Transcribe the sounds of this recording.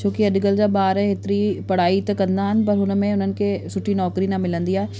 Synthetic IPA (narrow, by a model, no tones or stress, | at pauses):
t͡ɕʰoːkiɐɗɡəld͡ʑaːɓaːɾɦet̪ɪɾipɐɽ̤aːit̪ɐkɐ̃nd̪aɦənɪ̆pɐɾɦʊnə̆mẽʊn̤ənɪ̆kʰeːsʊʈʰːinɔːkɾinamɪlə̃nd̪iaːɦe